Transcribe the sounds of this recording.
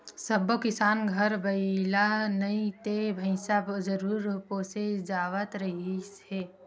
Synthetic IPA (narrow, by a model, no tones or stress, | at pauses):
səbokɪsaːnɡʱəɾbəɪlaɦnɐĩt̪ebʱə̃ɪsabzəɾuːɾpoːsed͡ʒaːwət̪ɾəɦi | ɛː